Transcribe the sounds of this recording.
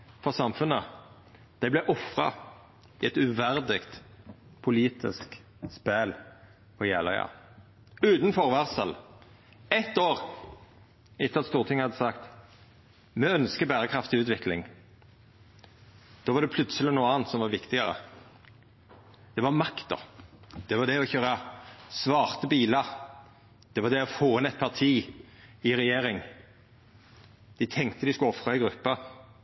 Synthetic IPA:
fɔʁsɑmfʉnə | d̪̥ɛɪblɛʔɔfʁɑ̰ | ɪɛt̪ʉʋæʁd̪ɪkt̪pʰʊliːt̪ɪ̰sk | spæl | ɔjæːlɑjɑ̰ | ʉːt̪nfɔʁʋæʁsəl | ɛt̪ːoːʁ | ɪt̪ːɑt̪st̪uːʁt̪ʰɪŋhɑd̪ːəsɑkt̪ | mɛːœnskəbæːɾəkʰʁɑft̪ɪʉːt̪ʋɪklɪ̰ŋ | d̪̥oːʋɑɾd̪ɛpʰlʉt̪səlɪnuːəɑːnt̪sɔmʋɑɾʋɪkt̪ɪɡəɾə̰ | d̪̥ɛʋɑʁmɑkt̪̚d̪ɔ̰d̪̥ɛʋɑd̪ɛɔçøːɾəsʋɑːʁt̪əbiːləɾ | d̪̥ɛʋɑɾd̪ɛɔfoːɪnɛt̪̚pʰɑʁt̪ʰiː | ɪʁɛjeːɾɪŋ | d̪̥ɪt̪ʰɛŋkt̪əd̪ɪskʉɔfʁɑɪɡɾʉpːə

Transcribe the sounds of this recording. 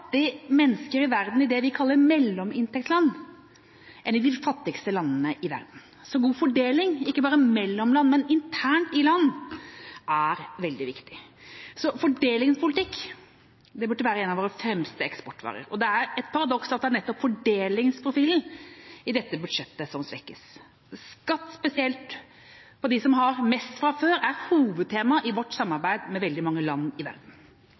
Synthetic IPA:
t̪ːɪmɛnːəskəɾɪʋæɾd̪n̩ɪd̪ɛʋɪkʰɑlːəɾmɛlːɔmɪnt̪ʰɛk̚t̪slɑnː | ʔɛnɪd̪ɪfɑt̪ːɪkst̪əlɑnːənəʔɪʋæ̰ɾd̪n̩ | sɔɡuːfɔɖeːlɪŋɪkːəbɑːɾəmɛlːɔmlɑnːmɛnɪnt̪ʰæːɳʈɪlɑnː | ʔæɾʋɛld̪ɪʋɪkt̪ɪ̥sɔfɔɖeːlɪŋpʰʊlɪt̪ʰɪkː | d̪ɛbʉʈːəʋæːɾəɛːnɑʋoːɾəfɾɛmst̪əɛkspɔʈːʋɑ̰ːɾə̰ɾɔd̪ɛæɾɛt̪pʰɑɾɑd̪ɔksɑt̪̚d̪ænɛt̪ːɔpfɔɖeːlɪŋspʰɾʊfiːln̩ɪd̪ɛt̪ːəbʉd̪ʂɛt̪ːəsɔmsʋɛkːəs | skɑt̪ːspɛsɪɛlt̪ | pʰɔd̪ɪsɔmɦɑɾmɛst̪fɾɑføːɾæɾhuːʋəd̪̚t̪ʰeːmɑʔɪʋɔʈːsɑmːɑɾbæɪd̪mɛʋɛld̪ɪmɑŋːəlɑnːɪʋæ̰ɾd̪n̩

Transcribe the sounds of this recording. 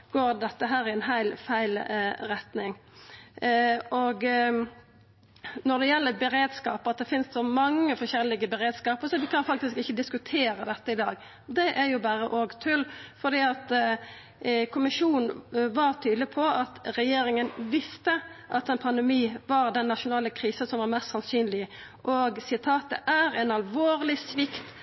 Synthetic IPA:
ɡ̥oːɾd̪ɛt̪ːəɦæːɾɪɛnɦæɪlfæɪlɾɛt̪nɪŋ | ɔɡ | nɔd̪ɛjɛlːəbɛɾeːd̪skɑːpəɑt̪̚d̪ɛfɪnst̪sɔmɑŋːəfɔɾʃɛlːɪɡəbɛɾeːd̪skɑːpəɾsɔʋɪkʰɑnfɑk̚t̪ɪskɪçːəd̪ɪskʉt̪ʰeːɾəd̪ɛt̪ːəɪd̪ɑːɡ | d̪ɛʔæɾjʊbɑːɾəʔoːɡt̪ʰʉlfɔd̪iːɑt̪ | kʰʊmɪʂuːnn̩ʋɑɾt̪ʰyːd̪lɪpʰɔɑt̪ɾɛjeːɾɪŋənʋɪst̪əʔɑt̪ɛnpʰɑnd̪ɛmiːʋɑɾd̪ɛnːɑʃʊnɑːləkʰɾiːsəsɔmʋɑɾmɛst̪sɑnsyːnlɪ | ʔɔɡsɪt̪ʰɑːt̪ə̰ʔæɾɛnɑlʋoːʁlɪsʋɪkt̪

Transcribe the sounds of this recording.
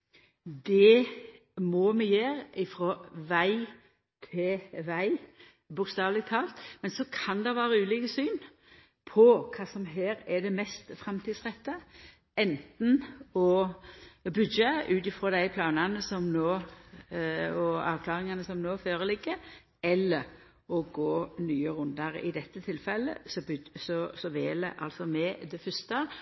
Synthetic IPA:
d̪ɛ | mɔmɛjeːɾɪfɾɔʋæɪ | t̪ʰɪʋæɪ | bʊkst̪ɑːʋlɪɡ̚t̪ʰɑːlt̪mɛnsɔkʰɑnd̪ɛʋæːɾəʉːliːkəsyːn | pʰɔkʰɑːsɔmɦeːɾɛd̪ɛmɛst̪fɾɑmt̪ʰiːd̪sʁɛt̪ːə | ɛnt̪n̩ɔ | bʉd̪d͡ʒəʉːt̪ɪfɾoːd̪æɪpʰlɑːnɑnəsɔmnoː | ɔɑ̰ːʋkʰlɑːɾɪŋɑnəsɔmnoːføːɾəlɪɡːə | ɛlːəɾ | ɔɡoːnyːəɾʉnd̪ɑɾ̰ɪ̰d̪ɛt̪ːət̪ʰɪlfɛlːə̰sɔsɔsɔʋeːlə̰ʔɑ̰lsɔmɛd̪ɛfʏst̪ə

